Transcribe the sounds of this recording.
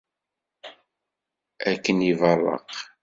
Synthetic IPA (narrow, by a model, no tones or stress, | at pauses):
ækːənivɑrˤːɑ̰q